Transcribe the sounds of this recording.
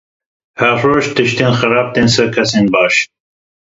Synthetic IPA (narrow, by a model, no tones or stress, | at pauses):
haɾoːʃt̪ʰɨʃt̪enxɨɾɑːb̚t̪eːnsɐkʰɐsenbɑːʃ